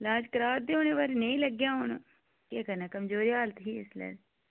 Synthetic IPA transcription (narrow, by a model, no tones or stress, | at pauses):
lãːd͡ʒkəɾaːd̪eːoːneːʋaːɾiːnəĩːləɡjãːɦʊn | keːkəɾnaːkəmd͡ʒoːɾiːaːlət̪ɦiːɪslɛ̰ː